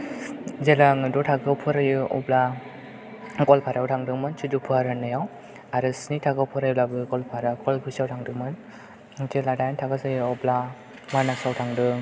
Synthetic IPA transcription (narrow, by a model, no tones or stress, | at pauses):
zelaŋɯdutʰaɡɯpʰɔɾajɯʔɔ̰bla | kɔlpʰaɾawtʰaŋdɯŋmɯnt͡ʃʰidupʰɯaɾanːɯjaw | aɾɯsnitʰaɡɯwpʰɔɾajblabɯkɔlpʰaɾakɔlpʰɯsawtʰaŋdɯŋmɯn | d͡ʒeladajntʰaɡɯzajɯɔbla | manasawtʰaŋdɯŋ